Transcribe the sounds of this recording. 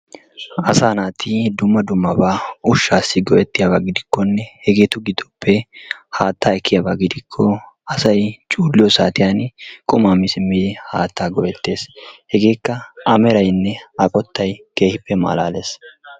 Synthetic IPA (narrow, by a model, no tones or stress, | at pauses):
ɐsaːnaːt̪ʰɪd̪ʊmːɐd̪ʊmːɐbaːʊʃːaːsːɪɡɔʔɛt̪ːɪjabaɡɪd̪ɪkːɔnːɛhɛɡe̞ːt̪ʊɡɪd̪ɔpːɛhaːt̪ːaːɛkʰːɪjabaɡɪd̪ɪkʰːɔɐsɐjt͡ʃʼuːlːɪjɔsaːt̪ɪjaːnkʼʊmaːmɪsɪmːɪd̪ɪhaːt̪ːaːɡɔʔɛt̪ːe̞ːshɛɡe̞ːkːɐɐmɛɾɐjnːɛɐkʼɔt̪ːɐjke̞ːhɪpːɛma̰ːlaːle̞ːs